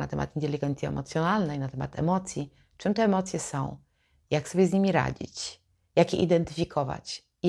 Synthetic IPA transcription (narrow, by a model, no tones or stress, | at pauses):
na̰t̪ɛmʔa̰t̪int̪ɛlʲiɡɛnt̪sʲiɛ̰mɔt̪sʲjɔnalnɛjnat̪ɛma̰t̪ɛ̰mɔt̪sʲji | t͡ʂɘmt̪ɛːmɔt̪sʲjɛsɔ̃w̃ | jaksɔbʲjɛzʲɲimʲiɾa̰d͡ʑḭt͡ɕ | jakjɛ̰ʔid̪ɛnt̪ɘ̥fʲikʰɔva̰t͡ɕ